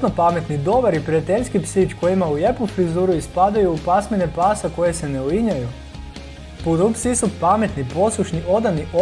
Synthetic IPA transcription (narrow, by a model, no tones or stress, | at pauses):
nopame̞t̪nid̪o̞ʋaɾipɾijat̪eʎʲskipsit͡ʃko̞jimaujepufɾizuːɾuispad̪ajuːpasme̞ne̞paːsako̞je̞se̞neuiɲaju | pud̪upsisupame̞t̪nipo̞suʃniʔo̞d̪aniʔo